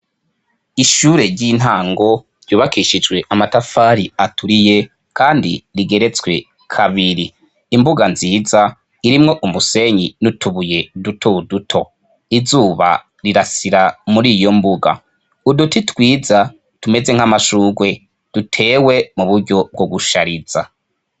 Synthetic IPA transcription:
iʃuːɾe̞ɾɟin̥aːŋɡo̞ | ɾ̥ɟuːβakiʃid͡ʒɡwe̞ʔamatafaːɾiatʰuɾije̞ | kʰaːndḭɾiɡe̞ɾe̞t͡swe̞̰ | kʰaβiɾiː | mbuɡanziːza | iɾimŋo̞ʔumuse̞ɲinutʰuβuje̞dutʰoudutʰo̞ | izuːβa̰ | ɾiɾasiɾamuɾiːjo̞mbuɡa̰ | udutitwiːza | tume̞ze̞ŋ̥amaʃuːɡwe̞ | d̥utʰe̞ːwe̞muβuɾɟo̞b̚ɡoɡuʃaɾiz̥a

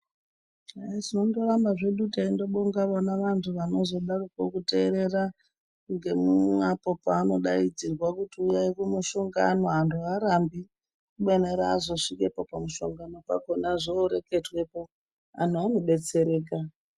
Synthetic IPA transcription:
aiʐino̞ndo̞rambaʐe̞ɗutaindo̞ɓoŋɡaʋonaʋantʰuʋano̞zo̞ɗarokokute̞ːɾe̞ra | ŋɡe̞muapo̞paːno̞ɗaid͡zirwakutiujaikumuʃo̞ŋɡano̞antʰuaɾambi | kuɓeneɾaːzo̞ʂikepopamuʃo̞̰ŋɡano̞pa̰ko̞naʐoːɾe̞ke̞twe̞po̞ | a̰n̤ʰuanoɓe̞t͡se̞ɾe̞ːka

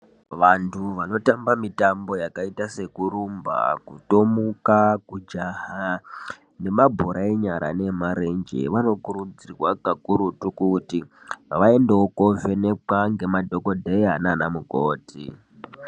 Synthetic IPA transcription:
ʋantʰuʋano̞tambamitambo̞jakaitase̞kuɾumba̰kuto̞mukakud͡ʒaha | ne̞mabʱoɾʔaiɲaɾʔa̰ne̞maɾe̞nd͡ʒḛʋano̞kuɾud͡zirwakakuɾutukuti | ʋae̞ndewoko̞ve̞ne̞ǃaŋɡe̞madʱo̞ko̞dʱeananamukoːtḭ

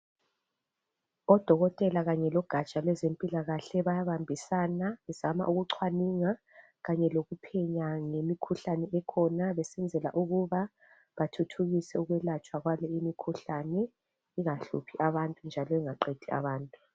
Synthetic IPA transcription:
ɔd̥ʱɔɣɔtʼɛlaɣaɲɛlɔɡ̥ʱat͡ʃʼalwɛzempʼilaɣaɬɛβajaβambʱisaːnaβɛzama̰ʔuɣuǀʰwaniŋa | ɣaɲɛloɣupʰɛɲaŋemikʰuɬanɛʔɛkʰɔnaβɛsɛnd͡zʱɛla̰ʔuɣuβa | βatʰutʰuɣisɛuɣwɛlat͡ʃʼwaɣwalɔimikʰuɬanɛ | iŋaɬṵpʰiʔaβantʼund͡ʒʱalɔɛŋaǃed̥ʱia̰βaːntʼu

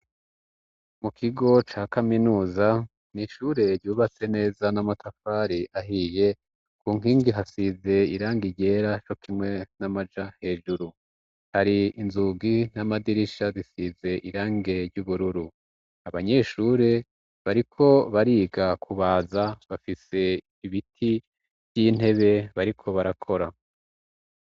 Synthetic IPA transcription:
mukʰiɡo̞t͡ʃaːkaminuːza | niʃuːɾe̞ɾɟuːβat͡se̞ne̞ːzanamatʰafaːɾiaɦije̞ | kʰuːŋ̥iːŋɡiɦasize̞iɾaːŋɡiɟe̞ɾat͡ʃo̞kʰimŋe̞namad͡ʒahe̞ːʒuɾu | haɾiinzuɡin̥amadiɾiʃazisize̞ʔiɾaːŋɡe̞ɾɟuːβuɾuɾu | aβaɲe̞ːʃuːɾe̞ | βaɾikʰo̞βaɾiːɡakʰuβaːzaβafise̞ | iβitʰi | vjiːn̥he̞βe̞βaɾikʰo̞βaɾakʰo̞ɾa

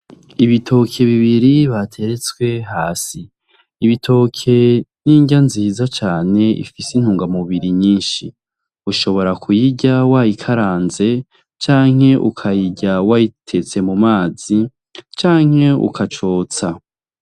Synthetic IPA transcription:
iβitʰo̞kʰe̞βiβiɾiβatʰe̞ɾe̞t͡swe̞ɦaːsiː | βitʰo̞kʰe̞niːɲɟanziːzat͡ʃaːne̞ḭfisin̥huːŋɡamuβiɾiɲiːnʃi | uʃo̞βo̞ɾakʰujiɟawajikʰaɾaːnze̞ | t͡ʃaːŋ̥e̞ʔukʰajiɟawajitʰe̞t͡se̞mumaːz̥i | t͡ʃaːŋ̥he̞ṵkʰat͡ʃoːt͡sa

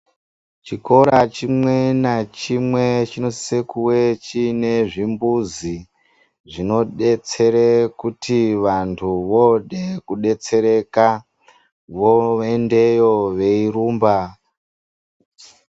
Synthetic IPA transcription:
t͡ʃiko̞ɾat͡ʃimwe̞nat͡ʃimwe̞t͡ʃino̞sekuwe̞t͡ʃine̞ʐimbuzi | ʐino̞ɗet͡se̞ɾekutʰiʋantʰuʋo̞ɗekuɗe̞t͡se̞ɾe̞ka | ʋoende̞jo̞ʋe̞iɾuːmba

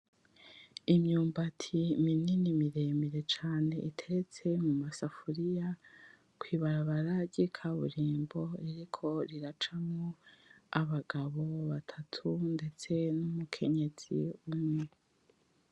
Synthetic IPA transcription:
imɲuːmbatʰimininimiɾemiɾe̞t͡ʃaːne̞ʔitʰe̞ɾet͡se̞mumasafuɾija | kwiːβaɾaβaɾaɟikʰaβṵɾiːmbo̞iɾikʰo̞ɾiɾat͡ʃamŋoaβaɡaβo̞βatʰatʰunde̞t͡se̞numukʰe̞ɲe̞z̥ḭumŋe

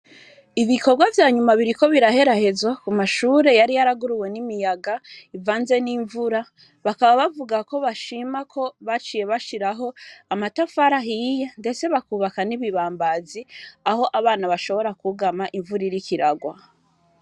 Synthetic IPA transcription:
iβiko̞ɾɡwavjaːɲumaβiɾiko̞βiɾahe̞ɾahe̞zwakumaʃuːɾe̞jaɾijaɾaɡuɾuwe̞nimijaɡaivaːnze̞niːɱvuɾa | βakaβaβavuɡako̞βaʃiːmakʰo̞βat͡ʃiːje̞βaʃiɾaɦo̞amatafaɾaɦijende̞t͡se̞βakuːβakaniβiβaːmbaziaho̞ʔaβaːnaβaʃo̞βo̞ɾakuɡamaʔiɱvuɾiɾikiɾaɡwa

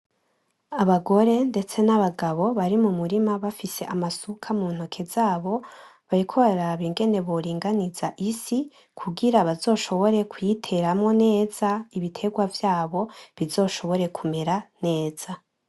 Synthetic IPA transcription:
aβaɡo̞ɾe̞nde̞t͡se̞naβaɡaβo̞βaɾimumuɾimaβafise̞ʔamasukʰamun̥ho̞kʰe̞zaːβo̞βaɾikʰoβaaɾaβiŋɡe̞ne̞βoɾiːŋɡanizaʔisi | kʰuɡiɾaβazo̞ːʃo̞βo̞ɾe̞kwitʰe̞ɾamŋo̞ne̞ːz̥aiβitʰe̞ɡwavjaːβo̞βizo̞ːʃo̞βo̞ɾe̞kʰume̞ɾane̞ːz̥a

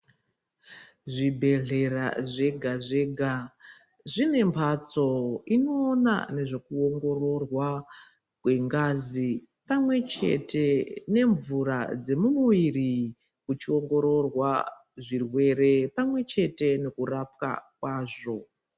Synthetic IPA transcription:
ʐibʱe̞ɮera̰ʐeɡʱaʐeɡʱa | ʐine̞mpʰat͡so̞ino̞ːna̰ne̞ʐe̞kuoŋɡo̞ro̞rwa | kwe̞ŋɡazi | pamwe̞t͡ʃe̞̰tʰe̞ne̞ɱvuɾa̰d͡ze̞mumuʋiri | kut͡ʃio̞ŋɡo̞ɾo̞rwa | ʐirwe̞ɾe̞pamwe̞t͡ʃe̞te̞ne̞kurap̚ka̰k̚waːʐo̞

